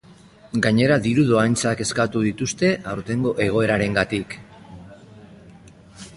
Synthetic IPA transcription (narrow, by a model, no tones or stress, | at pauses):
ɡaɲe̞ɾaðiɾuðo̞ajnt͡sake̞skat̪uðit̪ust̪e̞ʔawɾt̪e̞ŋɡo̞ʔe̞ɣ̞o̞e̞ɾaɾe̞ŋɡat̪ik